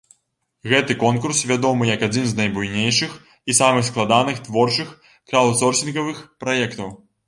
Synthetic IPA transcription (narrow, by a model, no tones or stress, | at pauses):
ɣɛt̪ɨkɔnkursvʲad̪ɔmɨjɐkad͡zʲinznajbujnʲejʂɨx | isamɨxsklˠad̪anɨxt̪vɔrt͡ʂɨx | kɾalˠsɔrsʲinɣɐvɨxpɾajɛkt̪ɐw